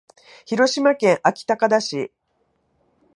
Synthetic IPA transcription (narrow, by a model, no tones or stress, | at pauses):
çiɾo̞ɕimakẽ̞ɰ̃ʔakʲi̥t̪akad̪aɕḭ